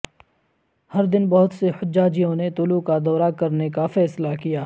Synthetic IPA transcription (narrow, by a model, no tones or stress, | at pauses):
hɐɾd̪ɪnbɐɦʊt̪sehʊd͡ʒd͡ʒaːd͡ʒijõnet̪ʊlukad̪ɔːɾakɐɾnekafɛːslakijaː